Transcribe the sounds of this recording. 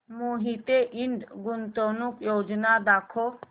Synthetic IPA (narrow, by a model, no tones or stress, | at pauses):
moɦit̪eʔɪɳɖɡʊnt̪onukjoːd͡ʒnad̪aːkʰo